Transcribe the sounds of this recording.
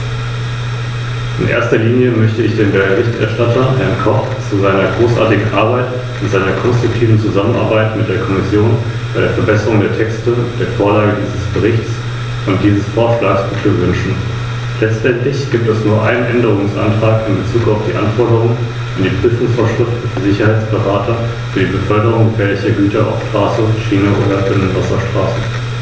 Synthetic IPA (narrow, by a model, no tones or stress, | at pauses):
ʔɪnʔḛːɐstɐliːnjəmœçtəɪçd̥eːnbəəʁɪçtɛ̰ɐʃtatʰɐhɛɐnkʰɔχ | t͡suzaɪnɐɡʁoːsʔa̰ːɐtɪɡŋ̩ʔaɐbaɪt | ʊntz̥aɪnɐkʰɔnstʁ̥ʊk̚tʰiːvn̩t͡suzamənʔa̰ɐbaɪtmɪt̚d̥eːɐkʰɔmɪsjoːn | b̥aɪɾeːɐfɛɐbɛsəʁʊŋdeːɐtʰɛkstəd̥eːɐfoːɐlaːɡədiːzəsb̥əʁɪçt͡s | ʊntd̥iːzəsfɔɐb̥laːsbəkʰəvʏnʃn̩ | lɛt͡stʔɛntʰlɪçɡ̥iːp̚tɛsnuːɐʔaɪnənʔɛndəʁ̞ʊŋsʔa̰ntʁ̥aːkɪmbət͡suːkaʊfd̥iːʔanfɔɐɾəʁʊŋ | and̥iːpʁ̥yːfʊŋsfoːɐʃʁ̥ɪftəd̥izɪçɐhaɪt͡sb̥əʁaːtʰɐ | fyːɐdiːbəfœɐdəʁʊŋɡəfɛːɐlɪçɐɡyːtɐa̰ʊfʃtʁ̥aːsəʃiːnəʔoːdɐfndenvasɐʃtʁ̥aːsə